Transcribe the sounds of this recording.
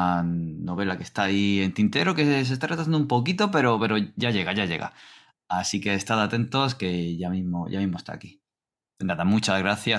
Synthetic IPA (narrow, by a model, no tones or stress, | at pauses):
no̞β̞e̞lake̞st̪aːie̞nt̪int̪e̞ɾo̞kes̬e̞st̪aret̪aθanumpo̞kit̪o̞pe̞ɾo̞pe̞ɾo̞ʝaʝe̞ɣ̞aʝaʝe̞̰ɣa̰ | asike̞ːst̪aðat̪e̞nt̪o̞ske̞ʝamizmo̞ʝa̰mizmoest̪a̰ːki̥ | naðamut͡ʃazɣɾaθja